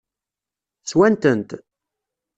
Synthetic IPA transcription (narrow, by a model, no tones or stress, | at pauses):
t͡sːwænt̪ənt̪